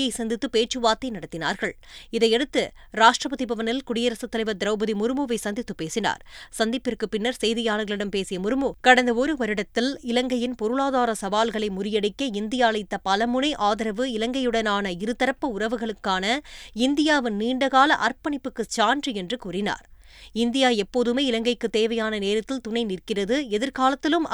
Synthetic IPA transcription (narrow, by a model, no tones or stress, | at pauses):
ɐɪsɐnd̪ɪt̪ːɯpeːt͡ʃːɯʋaːt̪ːɐɪnɐɽɐt̪ːɪna̰ːɾɣɐɭ | ɪðɐɪɛɽɯt̪ːɯ | ɾaːʂʈrɐpɐðipɐʋɐnɐɪlkʊɽɪjɐɾɐsɯt̪ːɐlɐɪʋɐd̪ɪɾɐʊbɐðimʊɾɯmoːʋɐɪsɐnd̪ɪt̪ːɯpːeːsɪna̰ːɾsɐnd̪ɪpːɪrkɯpɪnːɐɾsɛjðɪjaːlɐɣɐɭɪɽɐmpeːsɪjɐmʊɾɯmoːkɐɽɐnd̪ɐɔɾɯʋɐɾɪɽɐt̪ːɪlɪlɐŋɡɐjɪnpɔɾɯɭaːðaːɾɐsɐʋaːlɣɐɭɐɪmʊɾɪjɐɽɪkːɐɪnd̪ɪjaːɭɐɪt̪ːɐpɐlɐmʊnɐɪʔaːðɐɾɐʋɯɪlɐŋɡɐjɯɽɐnaːnɐɪɾɯt̪ːɐɾɐpːɯʊrɐʋɯɣɐɭɯkːaːnɐɪnd̪ɪjaːʋɯnniːɳɖɐɣaːlɐʔɐrpɐɳɪpːɯkːɯt͡ʃaːndriɛndrɯkuːrɪna̰ːɾ | ɪnd̪ɪjaːɛpːoːðɯmeːɪlɐŋɡɐɪkːɯt̪ːeːʋɐjaːnɐneːɾɐt̪ːɪlt̪ʊnɐɪnɪrkɪrɐðɯɛðɪɾkaːlɐt̪ːɪlɯm